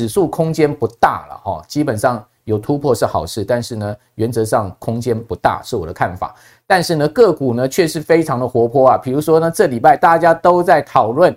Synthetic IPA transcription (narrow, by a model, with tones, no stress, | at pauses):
ɻ̩˨˩su˥˩kʰʊ˥ŋt͡ɕjɛ˥npu˧˥t̪a̰˥˩lə̰˩hɑ̰˥˩t͡ɕi˥pə˨˩nʂɑ˥˩ŋ | jo˨˩ʊt̪ʰu˥pʰwɔ˥˧ʂɻ̩˥˩xɑ˨˩ʊʂɻ̩˥˩t̪a˥˧nʂɻ̩˥˩nə˩ | ɥɛ˧˥nt͡sɤ˧˥ʂɑ˥˩ŋkʰʊ˥ŋt͡ɕjɛ˥npu˧˥t̪a̰˥˩ʂɻ̩˥˩wɔ˨˩d̪ə˦kʰa˥˩nfa̰˨˩˦ | t̪a˥˧nʂɻ̩˥˩nə˩kɤ˥˩ku˨˩nə˦t͡ɕʰɥɛ˥˧ʂɻ̩˥˩fe˥ɪʈ͡ʂʰɑ˧˥ŋd̪ə˨xwɔ˧˥pʰwɔ˥ɐ˨pʰi˨˩ɻu˧˥ʂwɔ˥nə˨ʈ͡ʂɤ˥˩li˨˩pa˥˩ɪt̪a˥˨t͡ɕja˥t̪o˥ʊt͡sa˥˩ɪt̪ʰɑ˨˩ʊlwə˥˩n